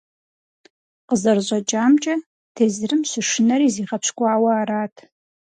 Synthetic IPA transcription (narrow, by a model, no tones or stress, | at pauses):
qəzɐrʑʷʼɐt͡ʃʼaːmt͡ʃʼɐ | tʰeːzrɨmɕɨʂɨnɐɾiːziːʁɐpʰɕkʷʼaːwɐːɾaːtʰ